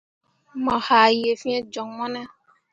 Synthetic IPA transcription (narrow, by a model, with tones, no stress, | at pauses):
mɔ˨ha˨je˨fĩ˦e˦d͡ʒɔ˨ŋmɔ˦nɛ˦